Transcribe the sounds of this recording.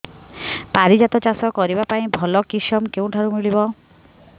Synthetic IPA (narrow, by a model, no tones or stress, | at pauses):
paɾid͡ʒat̪ɔt͡ʃasɔkɔɾibapaĩbʱɔlɔkisɔmkeũʈʰaɾumiɭibɔ